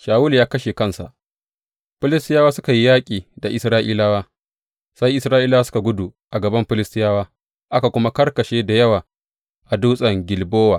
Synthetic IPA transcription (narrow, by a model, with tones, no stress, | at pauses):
ʃaː˨wʊ˦ljaː˦kɐ˦ʃe˨kɐ˦nsa̰˨ʔ | ɸɪ˦lɪ˦stɪ˦jaː˦waː˦sʊ˦ka˨ji˦jaː˦kʲʼiː˨da˨ʔɪ˨sɾaː˦ʔiː˦laː˦waː˦ | sa˦jʔɪ˦sɾaː˦ʔiː˦laː˦sʊ˦ka˨ɡʷʊ˦du˨ʔa˨ɡɐ˨bɐ˦mɸɪ˦lɪ˦stɪ˦jaː˦waː˦ | ʔa˦ka˨kʷʊ˦ma˦kɐ˦rkɐ˨ʃeː˦da˨jɐ˦waː˨ | ʔa˨duː˦sʼɐ˨ŋɡʲɪ˨lboː˦waː˨